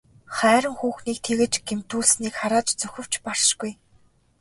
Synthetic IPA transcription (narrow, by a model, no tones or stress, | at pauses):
χæːɾə̆ŋxuːxniːk̚t̪ʰeɣɘ̆t͡ɕɡ̥em̥t̪uːɮsniːkχaɾaːt͡ɕt͡sɵxʲɘ̆w̥t͡ɕpar̥ʃɡuj